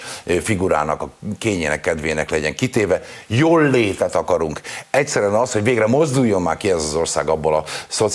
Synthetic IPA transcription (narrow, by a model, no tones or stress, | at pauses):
fiɡuɾa̰ːnɒkɒkeːɲeːnɛ̰kːɛd̪veːnɛklɛɟɛŋkit̪eːvɛjoːlːeːt̪ɛt̪ɒkɒɾuŋkɛctsɛɾyɛnɒsho̞ɟveːɡrɛmo̞zd̪ujːo̞mːaːrkiɛzɒzo̞rsaːɡɒbːolɒso̞t̪